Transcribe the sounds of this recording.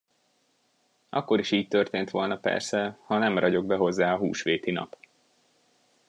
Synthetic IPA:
ʔɒkːo̞ɾiʃiːc̚t̪ø̞rt̪eːnt̪ʋo̞lnɒpɛ̰rsɛhɒnɛmrɒɟo̞ɡbɛɦo̞zːaːɒɦṵːʃʋeːt̪inɒ̰p

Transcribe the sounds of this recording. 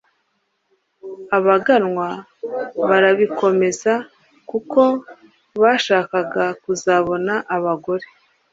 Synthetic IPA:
aβaɡanŋwa | βaɾaβikʰo̞me̞za | kuko̞ | βaːʃaːkaɡakuzaβo̞naʔaβaɡo̞ɾe

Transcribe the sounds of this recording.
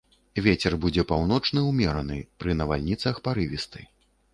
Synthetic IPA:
vʲet͡sʲɛrbud͡zʲɛpawnɔt͡ʂnɨwmʲɛɾɐnɨ̰pɾɨnɐva̰lʲnʲit̪sɐxpaɾɨvʲist̪ɨ

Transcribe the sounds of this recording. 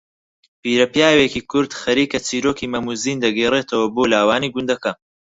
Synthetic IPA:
piːɾɐpjaːwekiːkʰʊɾd̪xɐɾiːkɐt͡siːɾoːkiːmɐmuziːnd̪ɐɡeːreːt̪ʰɐwɐboːlaːwaːniːɡʊnd̪ɐkɐ

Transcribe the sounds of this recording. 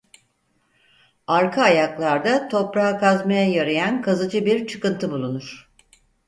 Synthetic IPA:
aɾkʰaːjaklˠaɾd̪at̪ʰo̞pɾaakʰazmajajaɾajankʰazɯd͡ʒɯbiɾt͡ʃʰɯ̥kɯnt̪ʰɯbulˠunuɾ̥

